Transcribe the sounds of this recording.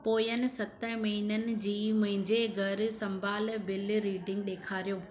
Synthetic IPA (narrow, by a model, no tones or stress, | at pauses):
poːjənɪ̆sɐt̪əɦmɐɦinənɪ̆d͡ʑiːmɐ̃ɦɪ̃ɲd͡ʑeɡʱɐɾsɐ̃mbʱaːlbɪlɾiːɖɪ̃ŋɡ̚ɗeːkʰaːɾijoː